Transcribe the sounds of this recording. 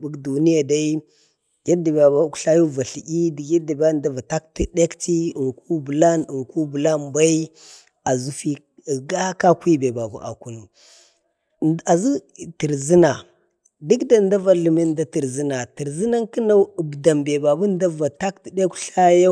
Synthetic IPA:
bu˦kdu˨ni˦ja˨da˦i˦ | ɡa˦da˨ba˨ba˦kɬa˦ja˦va˨ɬi˨ɡi˦di˨ɡi˦da˨ba˦nda˦va˨ta˦kti˦de˦kti˦i˨ŋku˦bu˨la˦nə˨ŋku˦bu˨la˦nba˦i˦ | a˨zu˦fi˦˨ | ɡa˦ka˦kʷi˦be˨ba˨bṵ˦ʔa̰˨ku˦nu˨ | a˨zi˦ti˨ɾzi˦na˨ | di˦kda˨nda˦va˦lu˨me˦n˦da˦ti˨ɾzi˦na˨ti˨ɾzi˦na˦nkə˦na˦u˨bda˨mbe˨ba˨bu˦n˦da˦va˨ta˦kti˨de˦kɬa˦ja˦

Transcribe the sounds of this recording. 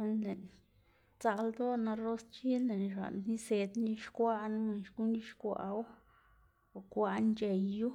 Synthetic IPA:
e˧nle˨n | t͡sa˧ld̪o˦na˧ɾo˦st͡ʃi˦lle˨nʃa̰˨nni˦se˧d̪ni˦ʃkʷa˦ʔnme˨nʃku˦ni˦ʃkʷa̰˨ʔw | o˨kʷa˧nt͡ʃe˨jːu˦

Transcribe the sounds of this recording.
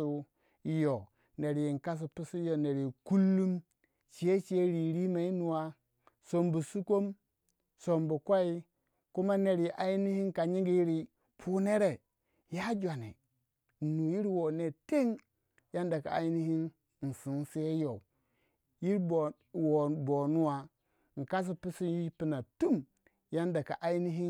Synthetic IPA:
u˦ | jo˨ | ne˨ɾji˨nka˦s̬u˨pi˦su˦jo˨ne˨ɾi˨ku˦lːu˦m | t͡ʃe˦t͡ʃe˦ɾi˨ɾi˦ma˨i˦nu˨wa˦ | so˨mbu˨su˦ko˦m | so˨mbu˨kʷa˦i˦ | ku˦ma˦ne˨ɾi˨ʔa˨ji˦ni˦hi˦nka˨ɲi˦ŋɡi˨˦ji˦ɾi˨ | pʰu˦ne˦ɾe˨ | ja˦d͡ʒʷa˨nḛ˨ | nu˨ji˦ɾwo˨ne˨te˦ŋ | ja˦nda˨ka˨a̰˨ji˦ni˦hi˦n˨ | n̩˨si˨n˦se˦jo˨ | ji˦ɾbo˨ | wo˨bo˨nu˦wa˨ | ŋ̩˨ka˦s̬i˦pi˦si˦ji˦pi˦na˨tu˦m | ja˦nda˨ka˨ʔa˨˦i˦ni˦ɦi˦

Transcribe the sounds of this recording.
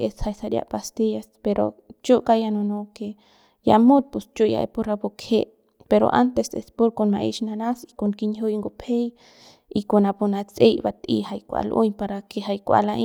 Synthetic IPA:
esha˧jsa˧ɾʲja̰ʔpast̪ijaspeɾo̰t͡ʃu˦ʔkajano˧no˧ke | ja̰˨mu˦t̪̚pu˨st͡ʃu˦ʔja̰˧ḛpu˧ɾa˧bo˧kʰe˦ʔ | peɾo̰˨ʔant̪e˧sḛ˧spu˦ɾko˧nma̰˧ʔi˧ʃna˧nasi̥konki˧ɲɦu˦jŋɡo˧pʰe˦j | ikona˧pu˧na˧t͡se˧jba˧t̪ḭ˧ha˧jkʷa̰˧lʔṵ˦ɲpa˧ɾakeɦa˧jkʷa̰˧laʔi

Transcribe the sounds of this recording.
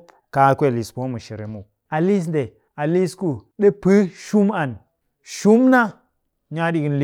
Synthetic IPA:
ka˨˦kʷe˦˨li˨spo˦mu˨ʃi˨ɾḛ˨mu˨ | a˨li˦s̬n˦de˨ | a˨li˦sku˦ɗe˦pɨ˦ʃu˦ma˨n | ʃu˦mna˦ | ɲa˦di˨ki˨˦nli˦

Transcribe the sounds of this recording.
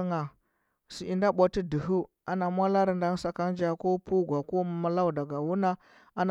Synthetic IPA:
ŋa˨ | si˨i˨nda˦ɓʷa˦ti˦di˨ɦu˦ | a˨na˨mʷa˦la˦ɾi˨nda˦sa˨ka˦n˦d͡ʒa˨ko˦pu˦ɡʷa˨ko˦ma˦la˦u˨da˨ɡa˨wu˦na˦ | a˦n

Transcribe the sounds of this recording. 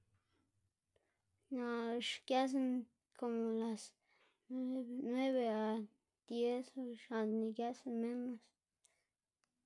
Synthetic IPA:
na˨ʂkja˦s̬a˦n | kʰo˨mo˨la˨s | nwe˦βe˧a˨ | d̪̥je˦sʂa˨nd̪ni˨kja˦snme˦nla˨s

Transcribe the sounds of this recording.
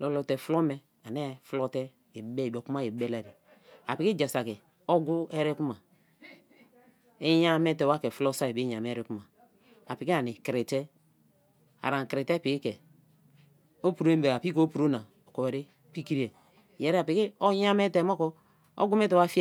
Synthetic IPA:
lɔ˨lɔ˨tɛ˨flɔ˦mɛ˨ | a˨nɛ˦flɔ˦tɛ˦˨˦ | bɛ˦˨do˨ku˦ma˦je˨˦bɛ˦la˨ɾi˨ | a̰˨pi˨ki˦d͡ʒa˨sa˨kɛ˨ | o˦ɡu˦ɛ˦ɾɛ˦ku˦ma˨ | e˦ja˦mɛ˦tɛ˨wa˦kɛ˨flɔ˦sa˦e˨bi˦ɲa˨m˨e˦ɾe˦ku˦ma˨ | a˨pi˨ki˦a˨ni˨kɾe˨tɛ˦ | a̰˨ɾa˨ŋ˨kɾe˨tɛ˦pi˨ki˦kɛ˨ | o˦pu˨ɾo˦e˦mbe˨a˨pi˦ko˦pu˨ɾo˦na˨ | o˨ko˨ɛ˨ɾe˦ | pi˦ki˦ɾi˦ɛ˨ | jɛ˨ɾɛ˦a˨pi˨ki˦o˦ja˦mɛ˦te˨˦mɔ˦kɔ˦ | o̰˦ɡu˦mɛ˦tɛ˨wa˦fi˦

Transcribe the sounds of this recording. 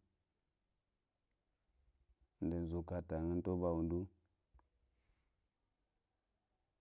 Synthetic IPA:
n˨də˨n˨zu˨ka˨ta˨ŋə˦n˦to˦ba˨wu˨ndu˦

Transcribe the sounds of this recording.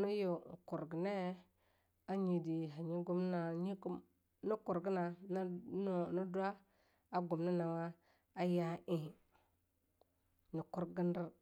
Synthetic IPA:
na˦jo˨ko˨ɾɡi˨ne˦ | a˦ɲi˨di˨ɦa˨ɲi˦ɡu˦m˦na˨ɲi˦ɡm | ni˦ko˨ɾɡi˦na˨˦˨ | na˦du˦a˦ | a˨ɡo˨mna˦na˨wa˦ | a˦ja˦ʔĩ˨ | ni˨ko˦ɾɡə˦n˦di˦ɾ

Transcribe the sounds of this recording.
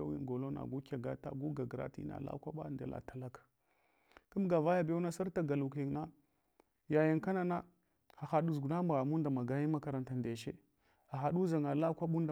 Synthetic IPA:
a̰˦wḭ˦ŋɡo˨lo˦na̰˨ɡu˦kʲa˨ɡa˦ta̰˨ɡu˦ɡa˨ɡɾa̰˦tḭ˦na̰˨la̰˦kʷa˦ɓa̰˦˨ndḛ˦lʔa̰˨ta˨la˦k | kə˦mɡa˨va˦ja˦bo˦na˦sa˦ɾta˦ɡa˨lu˨ki˨ŋna˦ | ja˨ji˨ŋka˦na˦na˦ | xa˨xa˨ɗu˨zɡu˨na˦ma˨ɣa˨mu˦nda˨ma˨ɡa˨˦ji˦ma˦ka˨ɾa˨nta˨nde˨ʃḛ˦ | a˨xa˨du˦za˨ŋa˨la˦kʷa˦ɓu˦n˦da˨

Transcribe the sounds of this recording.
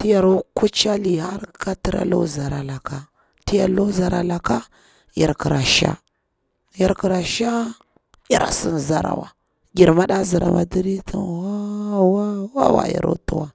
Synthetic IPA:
ti˦ja˨ɾo˦ku˦t͡ʃa˦li˨ha˦ɾka˦ti˦ɾa̰˦lo̰˦za˨ɾa˨la˨ka˨ | ti˦ja̰˨lo˦za˨ɾa˨la˨ka˦ | ja˨ɾki˨ɾa˨ʃa̰˦ | ja˨ɾki˨ɾa˨ʃa˦ | ja˨ɾa̰˨si˦n˨za˦ɾa̰˨wa̰˨ | ɡʲi˨ɾma˦ɗa˦zi˨ɾa̰˨ma̰˨di˦ɾi˦tḭ˦nwa˦wa˦wa̰˦wa̰˨ja̰˨ɾṵ˦tu˦wa˦

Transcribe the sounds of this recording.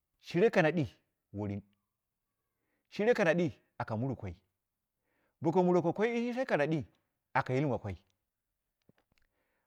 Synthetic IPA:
ʃi˦ɾe˦ka˨na˨ɗi˦ | wo˨ɾi˦n | ʃi˦ɾe˦ka˨na˨ɗi˦ | a˨ka˨mu˦ɾu˨kʷa˨i˦ | bo˨k̬o˨mu˨ɾo˨kʷa˨kʷa˦i˦i˦ʃi˦sa˦ka˨na˨ɗi˦ | a˨ka˨ji˦lmʷ˨a˨kʷa˦i˦

